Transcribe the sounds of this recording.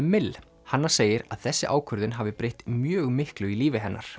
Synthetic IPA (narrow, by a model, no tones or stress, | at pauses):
mɪl | hanːaɾ̥seːjɪɾa̰ðθɛsːɪʔaːwkʰœɾðɪnɦaːvɪpɾejht̪mjœːɣmɪhklʏiliːvɪɦɛnːaɾ̥